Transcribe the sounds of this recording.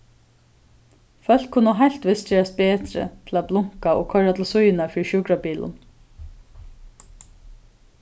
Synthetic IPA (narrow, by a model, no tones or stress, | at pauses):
fœl̥kkʰʊnːəɦajl̥t̪ʋɪst͡ʃɛːɹast̪̚beːt̪ɾə̰t̪ʰɪlat̪̚blʊŋ̥kaɔ̰ːkʰœɹat̪ʰɪlsʊjjɪnafiːɾʃuːkɾapiːlʊ̰n